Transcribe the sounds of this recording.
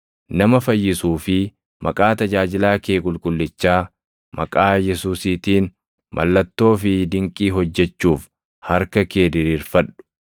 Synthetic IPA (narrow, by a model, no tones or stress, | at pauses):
nɐmɐfɐjːɪsuːfɪ | mɐkʼaːt̪ɐd͡ʒaːd͡ʒɪlaːke̞ːkʼʊlkʼʊlːɪt͡ʃːaː | mɐ̰kʼaːjɛsuːsiːt̪iːn | mʔɐ̰lːɐt̪ːo̞ːfɪd̪ɪŋkʼiːɦɔd͡ʒːɛt͡ʃːuːf | hɐɾkɐke̞ːd̪ɪɾiːɾfɐɗːʊ̥